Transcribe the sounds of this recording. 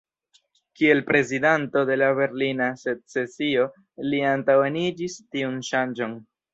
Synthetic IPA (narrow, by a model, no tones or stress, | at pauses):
kie̞lpɾe̞zidanto̞de̞labe̞ɾlinaset̚se̞sio̞ | liantawenid͡ʒistiunʃand͡ʒo̞n